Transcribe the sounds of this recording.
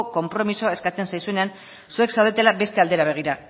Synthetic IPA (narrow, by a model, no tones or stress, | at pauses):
ko̞mpɾo̞misoe̞skat͡se̞nsajsue̞ne̞an | sue̞ksawðe̞t̪e̞labe̞st̪e̞ald̪e̞ɾaβe̞ɣ̞iɾa